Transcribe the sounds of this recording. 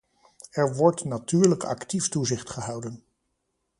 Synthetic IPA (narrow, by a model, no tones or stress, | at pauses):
ɛɹʋɔɹtnatyːɹləkʰɑ̰ktiftuzɪχtχəɦɑwdən